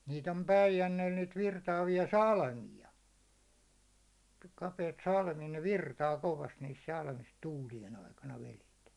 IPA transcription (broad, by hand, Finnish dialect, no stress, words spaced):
niːt om pæijænːeːl niːt ʋirtɑːʋiɑ sɑlmiɑ kɑpeit sɑlmiɑ ne ʋirtɑː koʋɑst niːs sɑlmis tuːlijen ɑikɑnɑ ʋelet